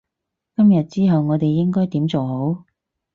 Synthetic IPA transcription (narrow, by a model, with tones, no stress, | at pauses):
kɐ˥mjɐ˨t̚t͡siː˥ɦɐ˨wŋɔː˨˧t̪e˨jːɪ˥ŋkɔː˥jt̪iː˨˥mt͡so˨wɦo˨˥w